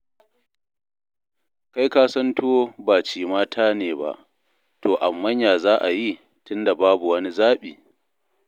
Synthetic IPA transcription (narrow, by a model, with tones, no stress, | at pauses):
ka˦jkaː˦sɐ˦ntʰoː˦baː˨t͡ʃiː˨maː˦tʰaː˦neː˨ba̰˦ʔ | toː˨ʔa˨mːɐ˦ɲjaː˨zaː˦ʔa˨ji˦ | tʊ˦nda˨baː˦bu˨wɐ˦ni˦zaː˦ɓiː˨